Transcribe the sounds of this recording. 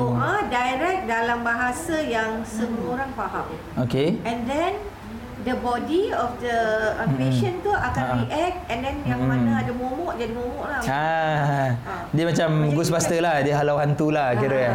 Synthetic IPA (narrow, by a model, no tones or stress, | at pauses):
oadajɾɛk̚dalambaɦasajaŋsəbəlumoɾaŋpaɦam | okeɛ̃ndɛ̃n | dəbɔdiɔfdəəpeʃənt̪uʔakaniʔɛk̚t̪ɛ̃ndɛnjaŋanaadəmomɔʔd͡ʒadimomɔʔlaha | dimat͡ʃamɡusbast̪əlahdiɦalawɦant̪ulahkiɾə